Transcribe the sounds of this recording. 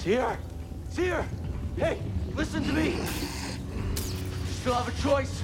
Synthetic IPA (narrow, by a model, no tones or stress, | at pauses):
shiɹ | ɪtshiɹheɪlɪsɨ̃ntɨmi | ɨstɪlˠəvɨt͡ʃʰɔɪs